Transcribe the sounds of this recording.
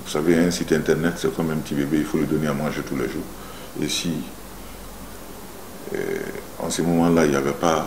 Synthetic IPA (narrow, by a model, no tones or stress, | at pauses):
vusaveɛ̃sit̪ɛ̃tɛʁnɛtsɛkɔ̃mɛ̃pt̪ibebeifolid̪ɔneamɑ̃ʒetulɛʒuːʁ | ḛsi | ɑ̰̃sɛmɔmɑ̃lailjavɛpa